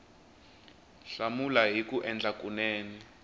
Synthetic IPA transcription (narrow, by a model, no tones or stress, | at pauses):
ɬamulaɦikuʔɛnd͡ɮakunɛːni